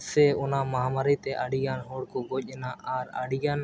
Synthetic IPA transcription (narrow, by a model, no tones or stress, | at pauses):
sɛɔnamaɦamaɾit̪ɛʔaɽiɡanɦɔɽkɔɡoc̚ˀɛnaʔaɾa̰ɽijan